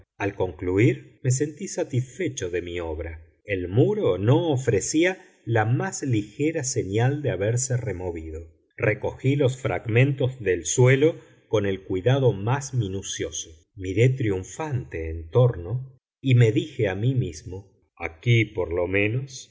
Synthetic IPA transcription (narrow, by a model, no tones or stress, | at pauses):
alko̞ŋkluiɾme̞s̬e̞nt̪isat̪isfet͡ʃoðe̞mio̞βɾa | elmuɾono̞ːfɾesia | lamazlixeɾaseɲald̪eaβeɾseremo̞βiðo̞ | rʔeko̞xilo̞sfɾa̰ɣmẽ̞nt̪o̞zðelswe̞lo̞ | ko̞ne̞lkwiðaðo̞mazminusjo̞so | miɾe̞t̪ɾiuɱfant̪eːnt̪o̞ɾno̞ | ime̞ðixeamimizmo | a̰kipoɾlo̞mẽ̞nos